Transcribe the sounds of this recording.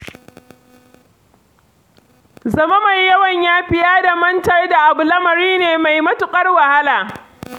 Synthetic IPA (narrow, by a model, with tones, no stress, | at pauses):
zɐ˦ma˦ma˨jːɐ˦wɐ˨ɲjaː˦ɸɪ˦jaː˦da˨mɐ˦ntɐ˦rda˨ʔa˨bʊ˨lɐ˦mɐ˨ɾiː˦neː˨ma˨jmɐ˦tʊ˨kʼɐ˦rwa˨ha˦laː˨